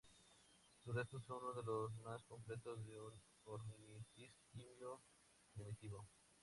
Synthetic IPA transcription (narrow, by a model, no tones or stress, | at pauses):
surest̪os̬onunoðeloz̬masko̞mple̞t̪ozðeun | oɾmitiskimjo | neβit̪iβo